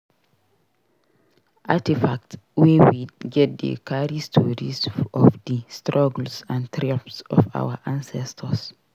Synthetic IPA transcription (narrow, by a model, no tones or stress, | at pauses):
ʔatifak̚twewiɡɛt̚də̰kʰaɹistʰɔɹisɔfdəstɹɔɡl̩sãntʰɹapsɔ̰fa̰wəʔãnsɛstʰəs